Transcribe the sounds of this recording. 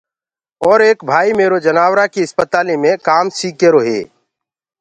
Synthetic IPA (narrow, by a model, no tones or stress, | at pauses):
ɔːɾeːkbʱaːimeːɾod͡ʒənaːwɾakiɪspət̪aːlimẽkaːmsiːkeɾoːɦḛː